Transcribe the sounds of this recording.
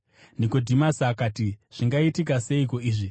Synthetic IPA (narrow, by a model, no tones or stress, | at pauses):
nikodʱimasakaːtiʐ̥iŋɡaitik̬ase̞iko̞iːʐi